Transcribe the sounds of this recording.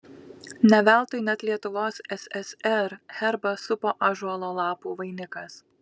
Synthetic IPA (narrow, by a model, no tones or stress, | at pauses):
nʲɛʋʲæˑlˠt̪oɪnʲɛt̪lʲiɛt̪ʊʋoːsɛsʲɛsɛɾhʲɛɾbɐsʊpoːʔɑːʒuɔlˠoːlˠɑːpuːʋɐɪnʲɪkɐs